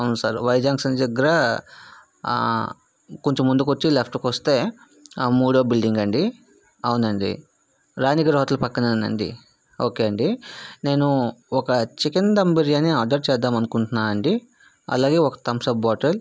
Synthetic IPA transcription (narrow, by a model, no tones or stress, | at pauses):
ɐwnusa̰ːɾʋɐjd͡ʒaːŋksɐnd͡ʒɐɡɐɾa | koɲt͡ʃemːund̪ukot͡ʃːilepʰʈukost̪e̞ː | muːɽɐbilɖiŋɡɐɳɖi | ɐwunɐɳɖḭ | ɾaːniɡɐɾoɦɐt̪lupɐkːɐnɐnɐ̰ɳɖḭ | o̞ːkeːɐɳɖine̞ːnuɔkɐt͡ʃikind̪ɐmbiɾjɐniaːɖɐɾt͡ʃɛːd̪ːaːmɐnukuɳʈunːaːɐɳɖi | ɐ̰laːɡe̞ːɔkɐ̥t̪ɐmsɐbbaːʈɐl